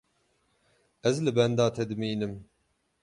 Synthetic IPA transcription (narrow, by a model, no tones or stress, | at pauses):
ɛzlɨbɛnd̪ɑːt̪ʰɛd̪ɨmiːnɨm